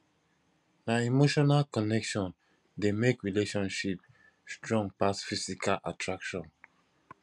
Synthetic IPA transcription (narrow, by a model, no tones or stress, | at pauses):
naimoʃɔnalkɔnɛkʃɔ̃n | demekɹileʃɔ̃nʃip | stɹɔ̃ŋpasfisikalʔatʰɹakʃɔ̃n